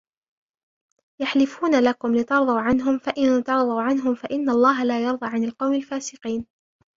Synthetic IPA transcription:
jaħlɪfuːnalakʊmlɪt̪ɑɾˤðˤɑːʕanɦʊmfaʔɪnt̪ɑɾˤðˤɑwʕanɦʊmfaʔɪnːalˤːɑːɦalaːjɑɾˤðˤɑːʕanalqɑwmalfaːsɪqiːn

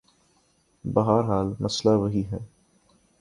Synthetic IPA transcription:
bɐɦaːɾɦaːlmɐslaʋɐɦiɦɛː

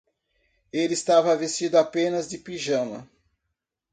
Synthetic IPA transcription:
elɪist̪avɐvest͡ʃid̪ʊapẽnɐzd͡ʒɪpiʒɐ̃mɐ̰

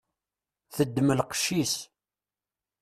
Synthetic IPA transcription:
θəd̪ːməlqʃːis

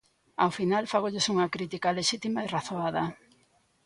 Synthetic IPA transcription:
awfinalfaɣoʎesuŋɐkɾit̪ikaleʃit̪imaeraθoaðɐ

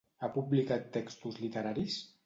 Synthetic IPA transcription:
apublikat̪ːɛkst̪uzlit̪əɾaɾis

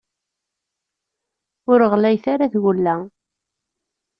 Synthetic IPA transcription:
ʊɾəʁlæjθaɾaðwəlːæ

